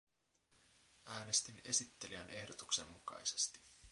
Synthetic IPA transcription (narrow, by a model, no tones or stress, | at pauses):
ʔæːne̞st̪ine̞sit̪ːe̞liænʔe̞hdot̪ukse̞mːukɑ̰jse̥st̪i̥